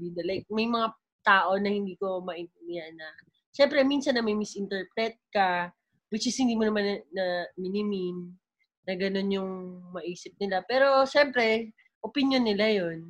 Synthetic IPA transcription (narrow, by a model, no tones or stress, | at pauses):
id̪ɐlɐjk̚mɐjmɐŋa | t̪aːʔo̞nɐhɪnd̪iːko̞mɐʔɪɪmɪjanɐ | ʃɛmpɾɛminsɐnːɐmɐjmɪsʔɪnt̪ɛɹpɾɛt̪̚kɐ | wɪt͡ʃɪshɪnd̪iːmonɐmanɐnɐmɪnɪmɪnː | ɐɡɐno̞njʊŋmɐʔiːsɪp̚nɪlapɛːɾo̞ʃɛmpɾɛ | ʔopɪnjonːɪlajo̞n